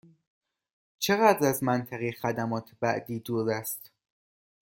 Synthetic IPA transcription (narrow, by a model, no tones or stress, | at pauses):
t͡ʃʰe̞ɣæːd̪ɾæzmænt̪ʰæɣixæd̪æmɒːt̪ʰbæ̰ʔd̪iːd̪uːɾæst̪